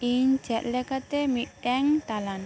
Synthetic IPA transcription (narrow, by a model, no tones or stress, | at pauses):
iɲd͡ʒa̤ʔ̪lɛkat̪emiɖɛŋt̪alan